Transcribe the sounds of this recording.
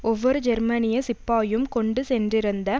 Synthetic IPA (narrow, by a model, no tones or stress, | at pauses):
ɔʋːɔɾɯd͡ʒɛɾmɐnɪjɐsɪpːaːjɯmkɔɳɖɯsɛndrɪɾɯnd̪ɐ